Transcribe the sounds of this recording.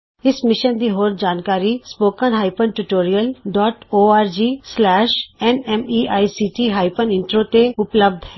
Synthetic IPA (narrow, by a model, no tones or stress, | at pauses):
ɪsmɪʃənd̪iːɦoːɾd͡ʒaːnkaːɾiːspoːkənɦaːɪpənʈuʈoːɾijəlɖɔːʈoːaːɾd͡ʒiːslɛːʃɛnɛmiːʔaːisiːʈiːɦaːɪpənɪ̃ɳʈɾoːt̪eʊpləb̚d̪ʱɦɛ